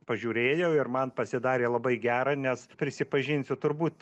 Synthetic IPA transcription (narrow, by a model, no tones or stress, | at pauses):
pɐʒʲuːɾʲeːjɛʊɪrmɐnpɐsʲɪd̪ɑːɾʲeːlˠɐbɐɪɡʲæːɾɑːnʲɛspʲɾʲɪsʲɪpɐʒʲɪnʲsʲʊt̪ʊɾbuːt̪